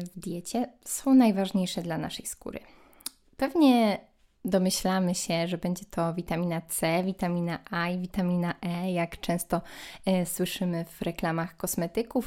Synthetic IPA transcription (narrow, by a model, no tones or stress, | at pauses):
vd̪ʲjɛt͡ɕɛsɔ̃w̃najvaʐɲejʂɛd̪lana̰ʂɛjskṵɾɘ̰ | pɛvɲɛ | d̪ɔmɘɕlamɘɕɛʐɛbɛɲd͡ʑɛt̪ʰɔvʲit̪amʲinat̪sɛvʲit̪amʲinaʔajvʲit̪amʲinaʔɛjakt͡ʂɛ̃w̃st̪ɔswɘʂɘmɘvɾɛklamaxkɔsmɛt̪ɘkuf